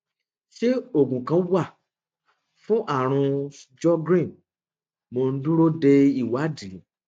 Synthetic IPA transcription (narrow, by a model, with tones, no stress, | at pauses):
ʃe˦o˦˨ɡũ˨kã˧˦wa˦˨ | fũ˦ʔa˦˨ɾ̃ũ˧d͡ʒɔ˦ɡɾĩ˦˨n | mo˧n̩˦dũ˦ɾo˦de˧i˦˨wa˨˦di˨˦